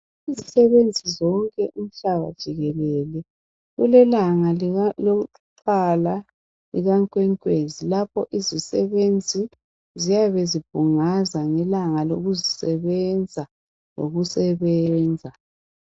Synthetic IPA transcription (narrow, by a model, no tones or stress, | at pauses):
izisɛβend͡zʱizɔŋkʼɛʔum̩ɬaβa̰d̥ʒ̥ʱiɣɛlɛlɛ | ɣulɛlaŋalo | ǃala | liɣaŋkʼwɛŋkʼwezilapʰɔʔizisɛβend͡zʱi | zijaβezib̥ʱuŋazaŋɛlaŋaloɣuzisɛβɛnd͡zʱa | lo̰ɣusɛβɛnd͡zʱa